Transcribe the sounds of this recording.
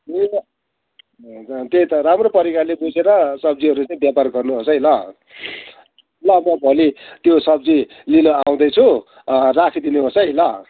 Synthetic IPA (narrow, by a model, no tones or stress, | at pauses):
e | t̪eit̪ʌɾamropʌɾikalebut͡seɾʌsʌb̚d͡ziʌɾut͡saĩbjaparɡʌrnuɦosʌjlʌ | lʌmʌbʱolit̪josʌb̚d͡zi | linʌaw̃d̪ʌjt͡sʰu | rakʰid̪inuɦosʌjlʌ